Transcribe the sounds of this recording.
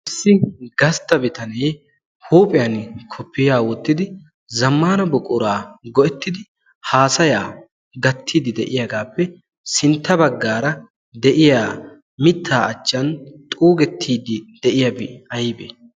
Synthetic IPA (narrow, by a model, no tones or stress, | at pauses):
ʔɪsːɪɡɐst̪ːɐbɪt̪ɐneː | huːpʼɪjɐnkʰɔpʰːɪjaːwɔt̪ːɪd̪ɪ | zɐmːaːnɐbɔkʼʊɾaːɡɔʔɛt̪ːɪd̪ɪ | haːsɐjaː | ɡɐt̪ʰːiːd̪ɪd̪ɛʔɪjaɡaːpːɛ | sɪnt̪ːɐbɐɡːaːɾɐ | d̪ɛʔɪjaː | mɪt̪ʰːaːʔɐt͡ʃːɐnt̪ʼuːɡɛt̪ʰːiːd̪ɪd̪̥ɛʔɪjɐbɪɐjɪbḛ